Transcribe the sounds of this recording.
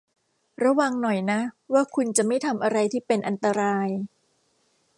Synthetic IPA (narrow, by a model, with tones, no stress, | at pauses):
ɾa˧wa˧ŋnɔ˨˩jna˦˥waː˥˩kʰu˧nt͡ɕa˨˩ma˥˩jt̪ʰa˧mʔa˧ɾa˧jt̪ʰiː˥˩pe˧nʔa˧nt̪a˧ɾaː˧j